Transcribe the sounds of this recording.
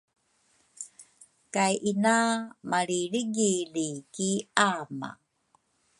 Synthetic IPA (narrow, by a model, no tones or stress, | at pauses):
kajʔinamaɭiɾiɡiɭikiama̰